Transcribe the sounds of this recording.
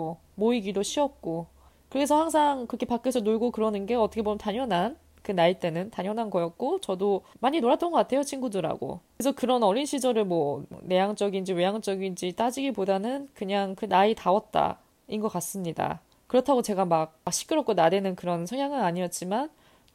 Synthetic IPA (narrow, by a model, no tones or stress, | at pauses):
o | moiɡidoɕʰiʌt̚k͈o | kɯɾɡesʰʌhaŋsʰaŋkɯɾʌkʰe̞pak͈esʰʌnoɭɡokɯɾʌnɯnɡe̞ʌt͈ʰʌkʰebomjʌntaɲʌnɦan | kɯnait͈e̞nɯntaɲjʌnɦanɡʌjʌt̚k͈ot͡ɕʌdomaɲinoɾat͈ʌnɡʌk͈atʰejot͡ɕʰiŋɡudɯɾa̰ɡo̰ | esʰʌkɯɾʌnʌɾinɕʰid͡ʑʌɾɯɭmwʌne̞jaŋt͡ɕ͈ʌɡind͡ʑiwe̞jaŋt͡ɕ͈ʌɡind͡ʑit͈ad͡ʑiɡipodanɯnkɯɲaŋkɯnaitaʌt̚t͈a̰ | inɡʌk͈as͈ɯmɲida̰ | kɯɾʌtʰaɡot͡ɕe̞ɡamak̚akɕ͈ʰi̥k͈ʰɯɾʌk͈onadenɯnkɯɾʌnsʰʌŋjaŋɯnaɲiʌt̚t͡ɕ͈iman